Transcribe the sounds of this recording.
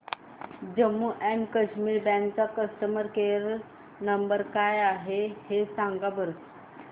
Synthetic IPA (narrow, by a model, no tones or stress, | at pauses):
d͡ʑəmːuʔɛmkəɕmiːɾbɛ̃nt͡sakəsʈ̪əməɾkeɾ | nəmbəɾkajaɦehesãŋɡabəɾt̪